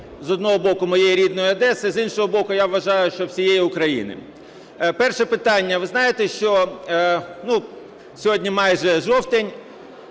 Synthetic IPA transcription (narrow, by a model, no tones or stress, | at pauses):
zɔd̪nɔɦɔbɔkʊmɔjejiɾʲid̪nɔjʊɐd̪ɛsɪzinʃɔɦɔbɔkʊjaʋːɐʒɑjʊʃt͡ʃɔwsʲijejiʊkɾɐjḭnɪ̰ | pɛrʃɛpɪt̪ɑnʲːɐʋɪznɑjet̪ɛʃt͡ʃɔ | nu | sʲɔɦɔdʲnʲimɑjʒɛʒɔwt̪enʲ